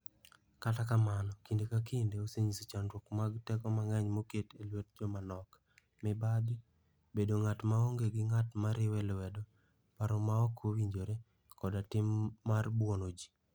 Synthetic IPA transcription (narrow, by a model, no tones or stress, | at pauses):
katakamanɔkindekakʰindeoseɲisit͡ʃanɾwɔkmaɡtɛkɔmaŋɛɲmoketelwet̚d͡ʒɔmanɔk | mɪbadɪ | bedoŋatmaoŋɡeɡɪŋatmaɾɪwɛlwɛdɔ | paɾɔmaɔkʰowiɲd͡ʒoɾe | kɔdatɪmːarbwɔnod͡ʒi̥